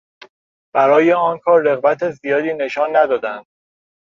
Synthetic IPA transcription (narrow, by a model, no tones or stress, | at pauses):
b̥æɾɒːjeɒːnkʰɒːɾːe̞ɣbæt̪ʰezijɒːd̪iːne̞ʃɒːnːæd̪ɒːd̪ænd̪̥̚